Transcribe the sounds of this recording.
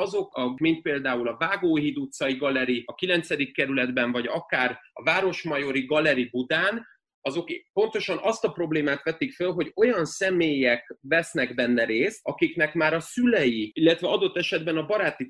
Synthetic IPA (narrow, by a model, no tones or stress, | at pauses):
ɒzo̞kɒmint̪̚peːld̪aːulɒvaːɡoːɦid̪ut̪sɒjiɡɒlɛɾiɒkilɛnt̪sɛd̪ikːɛɾylɛd̪bɛɱvɒɟɒkaːrɒ̰vaːɾo̞ʃmɒjo̞ɾiɡɒlɛɾibud̪aːn | ɒzo̞kpo̞nt̪o̞ʃɒnɒst̪ɒpɾo̞bleːmaːt̪ʋɛt̪ikfølɦo̞ɟo̞jɒnsɛmeːjɛkvɛsnɛɡbɛnːɛɾeːst̪ɒkiknɛkmaːɾɒsylɛjiilːɛt̪ʋɛɒd̪o̞t̪ːɛʃɛd̪bɛnɒbɒɾaːt̪i